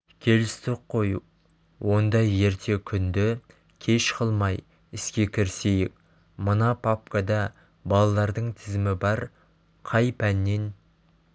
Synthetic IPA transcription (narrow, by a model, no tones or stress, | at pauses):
kʲʰe̞lɪst̪ɪqqʰːo̞ju | wo̞nd̪ɑjːe̞ɾt̪ʰe̞kʲʰʏnd̪ɪ | kʲʰe̞ʃqʰəlˠmɑj | ɪskʲe̞kʲʰɪɾse̞jɪk | mənɑpʰap̚kad̪ɑ | bɑlˠɑlˠɑɾd̪əɴt̪ʰɪzɪmɪbɑɾ | qʰɑjpʰænːe̞n